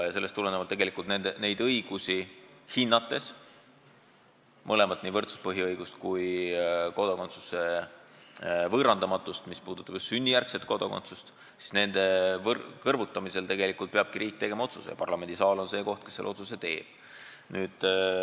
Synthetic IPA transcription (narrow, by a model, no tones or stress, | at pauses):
jɑse̞lːest̪ulenevɑlt̪e̞ɡelikːˑult̪nend̪ene̞jd̪̥ɤjɡ̥usihinːɑt̪ːˑe̞s | mʔɤle̞mɑt̪ːˑniːvɤrt̪su̥spɤɦiɤjɡ̥ust̪kujko̞d̪ɑko̞nt̪su̥se | vɤːɾɑnd̪ɑmɑt̪ːˑust̪mispuːd̪̥ut̪ːˑɑb̥jusːynʲːijærkse̞t̪ko̞d̪̥okont̪sust̪ | si̥sne̞nd̪̥e̞vkɤrvut̪ːˑɑmise̞lt̪e̞ɡe̞likːˑult̪̚peɑb̥̚kiɾiːk̚ːˑt̪e̞ɡ̥e̞mɑo̞t̪susejɑ̰pɑrlɑme̞nd̪isɑːlo̞nse̞ːko̞ht̪̚kesːe̞lːʔo̞t̪suse̞t̪e̞ːb̥̚ | nyːd̪̥